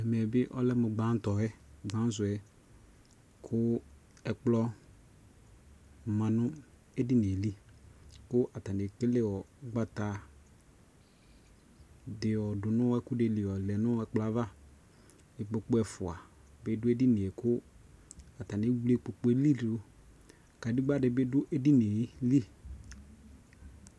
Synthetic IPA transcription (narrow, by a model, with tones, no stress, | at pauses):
ɛ˨m˨ɛ˨bɪ˦ʔɔ˦lɛ˦mʊ˨ɡ͡bã˨˦n˦tɔ˨ɛ˦˨ɡ͡bã˨˦zʊ˨ɛ˨ | kʰʊ˦ | ɛ˨k͡plɔ˦ | mã˨nʊ˦ | e˦di˦n˨e˨li˦kʊ˦ʔa˨ta˨ne˨kɪ˦lɛ˦wɔ˨˦ɡ͡ba˦ta˨ | dɪ˨ɔ˨dʊ˨nʊ̃˦ɛ˦kʊ˦de˨li˨ɔ˨lɛ˨nʊ˦ɛ˧˦k͡pla˨˦va˦ | ɪ˨k͡po˧˨k͡pʊ˦ɛ˨fʊ˨a˨ | be˦dʊ˦e˦di˦ne˨e˨kʊ˦ | a˨ta˨nɪ˨˦wu˦le˦k͡po˨k͡pe˦li˦dʊ˦˨ | ka˨di˦ɡ͡ba˦dɪ˨bɪ˦dʊ˦ʔe˦di˦ne˨˦li˦